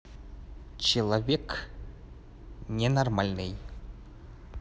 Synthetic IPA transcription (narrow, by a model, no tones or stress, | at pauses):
t͡ɕelˠavʲek | nʲenarmalʲnɘj